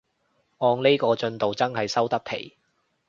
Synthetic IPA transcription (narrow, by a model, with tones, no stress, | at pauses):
ʔɔː˧ŋne˥jkɔː˧t͡ʃɵ˧nt̪o˨wt͡sɐ˥nhɐ˨jsɐ˥wt̪ɐ˥k̚t̪ʰe˨˩j